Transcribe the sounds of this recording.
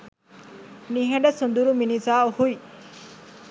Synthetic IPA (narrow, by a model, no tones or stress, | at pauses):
niɦẽɖəsund̪uɾuminisawhuj